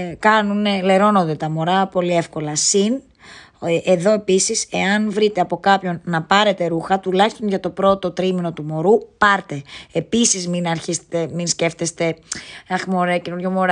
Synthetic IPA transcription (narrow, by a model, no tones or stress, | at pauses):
kɐnunle̞ɾo̞no̞nd̪e̞t̪ɐmo̞ɾɐpo̞lie̞fko̞lɐsin | eðo̞e̞pisise̞ɐnvɾit̪eɐpo̞kɐpço̞nnɐpɐɾe̞t̪e̞ɾuxɐt̪ulɐçist̪o̞nʝɐt̪o̞pɾo̞t̪o̞t̪ɾimino̞t̪umo̞ɾupɐɾt̪e̞episizminɐɾçist̪eminsce̞ft̪est̪e̞ɐxmo̞ɾecenonjomoɾ